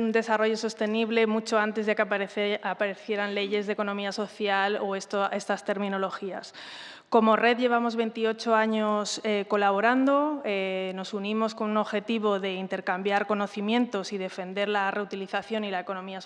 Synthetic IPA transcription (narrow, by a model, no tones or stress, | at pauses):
nd̪e̞saro̞ʝo̞so̞st̪e̞niβle̞mut͡ʃo̞ant̪e̞zðekapaɾe̞θje̞ɾanle̞ʝe̞zðeko̞nõ̞miaso̞θjaloest̪oʔe̞st̪ast̪e̞ɾmĩno̞lo̞xia̰s | ko̞mo̞re̞ðʝe̞β̞amo̞zβe̞nt̪io̞t͡ʃo̞aɲo̞seko̞laβ̞o̞ɾand̪o̞eno̞sunĩmo̞sko̞nuno̞βxe̞t̪iβo̞ðe̞int̪e̞ɾkambjaɾko̞no̞θimjẽ̞nt̪o̞sið̞e̞fe̞nd̪e̞ɾlare̞ut̪iliθaθjo̞nilae̞ko̞nõ̞mia